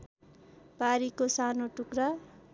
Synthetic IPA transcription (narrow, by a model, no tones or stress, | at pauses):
paɾikosanoʈukɾa